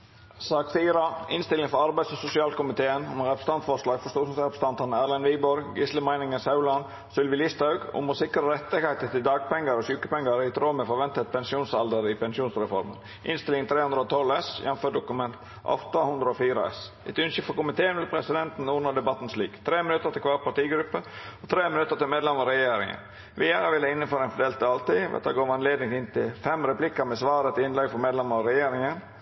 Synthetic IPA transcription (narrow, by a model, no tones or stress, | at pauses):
sɑːksiːɾɑɪnst̪ɪlɪŋfɔɾɑɾbæɪsɔsʊsɪɑːlkʊmɪt̪ʰeːənɔmɾɛpɾəst̪ɑnt̪fɔɾʂlɑːɡfɔst̪oːsmsɾɛpə̥st̪ɑnt̪ɑnæɾlɛnʋiːbɔɾɡɪsləmæɪnɪŋənsɑʉlɑn | sʏlʋɪlɪst̪ɑʉɡʊ̰mɔsɪkɾəɾɛt̪ːɪɡhæɪt̪ət̪ʰɪld̪ɑːɡ̚pɛŋːəɾɔɕʉːkə̥pɛŋːəɾɪt̪ʰɾoːməfɔɾʋɛnt̪ət̪̚pʰɛnsɪuːnsɑld̪əɾɪpɛnsɪuːnsɾɛfɔɾmə̰n | ʔɪ̰nst̪ɪlɪŋt̪ʰɾeːhʉnd̪ɾəɔːt̪ʰɔlɛsjɛ̰nføːɖʊkʉmɛnt̪ | ɔ̰ft̪ɑhʉnd̪ɾəɔfiːɾə̰ɛ̰s | ɛt̪ʉnʃɪfɔkʊmɪt̪ʰeːənʋɪlpʰɾɛsɪd̪ɛnt̪n̩uːɾnɑd̪ɛbɑt̪ːn̩sliːkt̪ʰɾeːmɪnʉt̪ːəɾt̪ʰɪlkʰʋɑːɾpɑʈiːɡɾʉpːəɔt̪ʰɾeːmɪnʉt̪ːəɾt̪ʰɪlmeːd̪lɛmɔɾɛjeːɾɪ̰ŋə̰n | ʋɪjæɾəʋɪlːəɪnːəføːɾɛɪnfɔd̪eːlt̪ːɪɑlt̪ɪʋɛ̰t̪ɑɡoːʋɑnleːd̪nɪŋɪnt̪ʰɪlfɛmɾɛplɪkːəɾmɛsʋɑːɾət̪ʰɪɪnlɛɡfɔɾmeːd̪lɛmːəɾɔɾɛjeːɾɪŋən